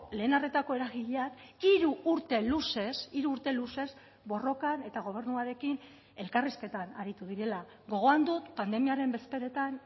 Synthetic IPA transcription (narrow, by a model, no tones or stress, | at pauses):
le̞ːnaret̪ako̞e̞ɾaɣiʎaniɾuːɾt̪e̞luse̞siɾuːɾt̪e̞luse̞z | bo̞ro̞kane̞t̪aɣ̞o̞β̞e̞ɾnuaɾe̞kin | e̞lkariske̞t̪anaɾit̪uðiɾe̞la | ɣo̞ɣ̞o̞and̪ut̪pand̪e̞miaɾe̞mbe̞spe̞ɾe̞t̪an